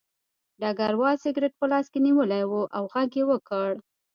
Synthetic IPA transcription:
ɖɑɡaɾwɑlsɪɡɾɪʈ̚pəlɑskeniwəlajwuʔawɣaɡjewəkəɽ

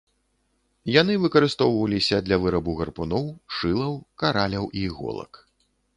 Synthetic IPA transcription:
janɨvɨkɐɾɨst̪ɔwvɐlʲisʲɐd̪lʲɐvɨɾɐbuɣɐrpunɔwʂɨlˠɐwkaɾalʲɐwʔiɣɔ̰lˠɐ̰k

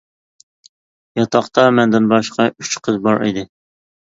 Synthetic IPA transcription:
jɑt̪ʰɑqt̪ɑmɛnd̪ɪnbɑʃqɑyt͡ʃqʰəzbɑɾḭd̪ɪ

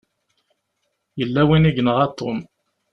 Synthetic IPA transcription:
jəlːæwiniʝnəʁɑt̪ˤːom

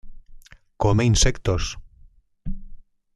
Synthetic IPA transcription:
komeinsekt̪os

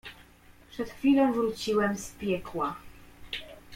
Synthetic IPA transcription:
pʂɛt̪xfʲilɔ̃vɾut͡ɕiwɛmspʲjɛkwa

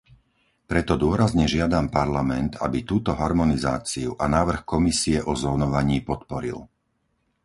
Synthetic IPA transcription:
pɾɛt̪ɔd̪ʊɔɾazɲɛʒɪad̪ampaɾlamɛnt̪a̰bit̪uːt̪ɔɦaɾmɔniza̰ːt͡siuʔanaːʋr̩xkɔmisiɛʔɔzɔnɔʋaɲiːpɔt̪pɔɾḭl

